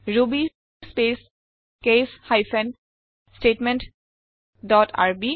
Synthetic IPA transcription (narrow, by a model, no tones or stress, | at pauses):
ɹubi | spes | keshajfʰɛn | sʈeʈmẽnʈ | dɔtʰa̰ɹbi